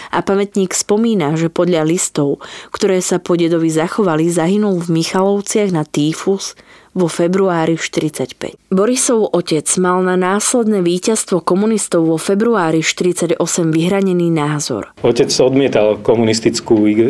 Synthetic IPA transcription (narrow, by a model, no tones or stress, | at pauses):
ʔapamɛt̪ɲiːkspɔmiːnaʒɛpɔd̪ʎalist̪ɔʊkt̪ɔɾɛːsapɔɟɛd̪ɔʋizaxɔʋalizaɦinulvmixalɔʊt͡sɪaɣnat̪iːfuz̥ʋɔfɛbɾuaːɾiʃt̪iɾit͡sacpɛ̰cbɔɾisɔʊʔɔcɛd͡zmalnanaːslɛd̪nɛːʋiːcast̪ʋɔkɔmunist̪ɔʊʋɔfɛbɾuaːɾiʃt̪iɾit͡saɟɔsɛmʋiɦɾaɲɛniːnaːzɔ̰ɾ | ɔcɛd͡zɔd̪mɪɛt̪alkɔmunist̪it͡skuːiɡ